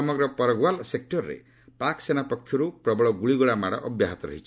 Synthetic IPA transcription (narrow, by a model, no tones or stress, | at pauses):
ɔmɔɡɾɔpɔɾɔɡwalsek̚ʈɔɾɔɾḛ | paksenapɔkʰːjɔɾupɾɔbɔɭɔɡuɭiɡuɭamaɽɔ̰ʔɔbjaɦɔt̪ɔɾɔ̰ɦit͡ʃʰi